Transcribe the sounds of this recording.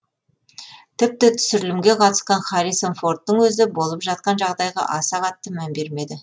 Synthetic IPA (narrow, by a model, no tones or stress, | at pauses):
t̪ʰɪp̚t̪ɪt̪ʰʏ̥sɪɾɪlɪmɡʲe̞qʰɑt̪ə̥sqɑɴχɑɾijsonfo̞rt̪ːəɴwɵzɪbo̞lˠəpʒɑt̪̚qɑnʒɑʁd̪ɑjʁɑ̰ʔɑsɑʁɑt̪ːəmænbe̞ɾme̞d̪ɪ